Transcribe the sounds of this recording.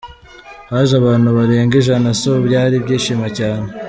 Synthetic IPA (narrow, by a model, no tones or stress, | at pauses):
βaːʒaβaːn̥huβaɾeːŋɡiʒanasobɟaːɾibɟiːʃimacaːne